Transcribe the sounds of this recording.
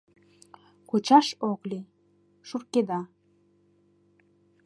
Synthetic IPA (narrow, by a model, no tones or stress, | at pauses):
kut͡ɕɑʃokli | ʃurked̪ɑ